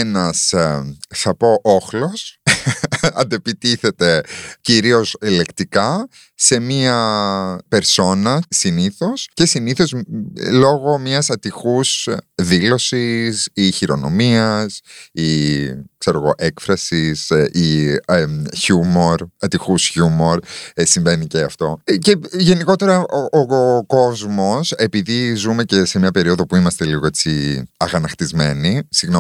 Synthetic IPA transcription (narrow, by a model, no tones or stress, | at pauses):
enɐs | θɐpo̞ʔoxlo̞s | ɐ̰nd̪epit̪iθe̞t̪e̞ciɾio̞sele̞kt̪ikɐ | se̞miɐpe̞ɾso̞nɐsiniθo̞sce̞siniθo̞zlo̞ɣo̞mɲɐsɐt̪ixusðilo̞sisiçiɾo̞̰no̞̰miɐsikse̞ɾo̞ɣo̞ʔe̞kfɾɐsisi | çumo̞ɾɐt̪ixusçumo̞ɾsiɱve̞niceɐft̪o̞ceʝe̞niko̞t̪e̞ɾɐʔooko̞zmo̞se̞piðizume̞ce̞se̞mɲɐpe̞ɾio̞ðo̞puimɐst̪eliɣo̞e̞t͡siɐɣɐnɐxt̪izme̞nisiɣno